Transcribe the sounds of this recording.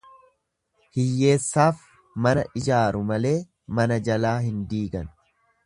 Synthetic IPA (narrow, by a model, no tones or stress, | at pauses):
hɪjːe̞ːsːaːf | mɐnɐʔɪd͡ʒaːɾʊmɐle̞ː | mɐnɐd͡ʒɐlaːhɪnd̪iːɡɐn